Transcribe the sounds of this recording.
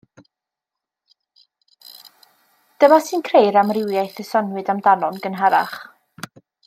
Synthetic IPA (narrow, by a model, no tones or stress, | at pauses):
d̥əmasɨnkʰrejɾamrɪwjajθɪsɔnwɨdamdanɔnɡənɦaɾa̰χ